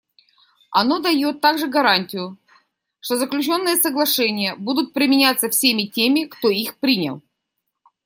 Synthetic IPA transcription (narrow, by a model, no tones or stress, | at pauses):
ɐno̞d̪ɐjo̞t̪ːaɡʐɨɡɐɾanʲtʲɪjʊ | ʂt̪ozəklʲʉt͡ɕo̞nːɨjəsəɡlˠɐʂɛnʲɪjəbud̪ʊt̪̚pɾʲɪmʲɪnʲat̪sːəfsʲemʲɪtʲemʲɪkt̪oixpɾʲinʲɪ̰lˠ